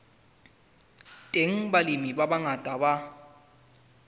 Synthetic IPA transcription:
tʼeŋ̩balɪmibabaŋatʼaba

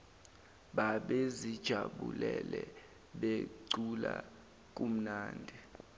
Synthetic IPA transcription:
ɓaɓezid̥ʒ̥ʱaɓṵlɛlɛ | ɓeǀula | k̬ʼum̩naːndʱi

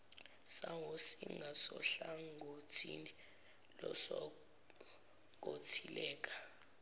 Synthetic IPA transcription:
sawosiŋɡʱasɔɬaŋɡʱotʰinɛ | lɔsɔ | k̬ʼotʰilɛːk̬ʼḁ

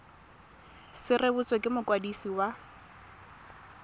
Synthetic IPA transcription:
sɪrebut͡sʼɔkʼɪmʊkwadisiwa

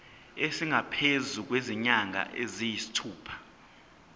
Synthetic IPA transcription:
esiŋapʰezuk̬weziɲaŋa̰ʔezijisi̥tʰuːpʰḁ

